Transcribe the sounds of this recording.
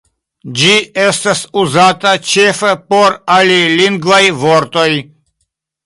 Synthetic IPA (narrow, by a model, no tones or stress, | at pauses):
d͡ʒiestasuzatat͡ʃe̞fepo̞ɾaliliŋɡvajvo̞ɾt̪o̞j